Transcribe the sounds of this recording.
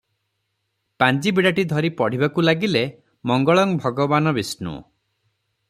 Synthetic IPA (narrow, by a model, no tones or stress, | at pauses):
pand͡ʒibiɽaʈid̪ʱɔɾipɔɽ̤ibakulaɡile | mɔŋɡɔɭɔŋbʱɔɡɔbanɔbisnṵ